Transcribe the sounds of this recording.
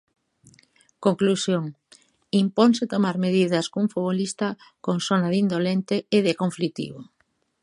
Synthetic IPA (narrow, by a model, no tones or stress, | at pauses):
koŋklusjoŋ | impoŋsɪt̪omaɾmeðiðɐskouŋfuβolist̪ɐ | koŋsonaðind̪olent̪ɪeðɪkoɱflit̪ḭβo